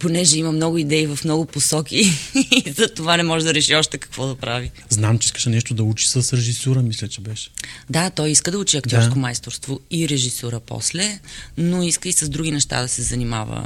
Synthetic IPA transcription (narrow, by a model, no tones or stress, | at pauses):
ponɛʒɛimɐmnɔɡʊid̪ɛivɐfmnɔɡʊposɔkizɐt̪ovanɛmɔʒɛd̪ɐɾɛʃiɔʃt̪ɛkɐ̥kvɔd̪ɐpɾavi | znamt͡ʃɛi̥skəʃɛnɛʃt̪od̪ɐut͡ʃi̥səsɾɛʒisuɾəmislʲɛt͡ʃɛbɛʃɛ̥d̪at̪ɔjiskəd̪ɐut͡ʃiɐk̚t̪jɔɾɾskomajst̪oɾst̪voiɾɛʒisɔɾəpɔ̰slɛnoiskəisəzd̪ɾuɡ̟ʲinɛʃt̪a̰d̪ɐsɛzɐnima̰və̰